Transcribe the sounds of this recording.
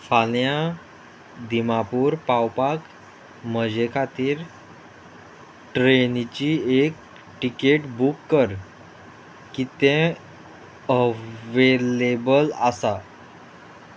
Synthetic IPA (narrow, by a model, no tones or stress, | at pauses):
falja | d̪imapuːɾpawpak | məd͡ʑekʰat̪iːɾ | ʈɾenit͡ɕiek̚ | ʈikeʈbukːəɾ | kit̪ẽ | əʋelebəlasa